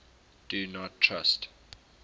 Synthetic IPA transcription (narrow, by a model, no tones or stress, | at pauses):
d̥unɔtʰːɹa̰st